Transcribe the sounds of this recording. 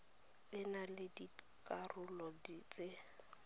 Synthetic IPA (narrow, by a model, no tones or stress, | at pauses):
lɪnalɪdi | kʼarʊlɔdit͡sʼe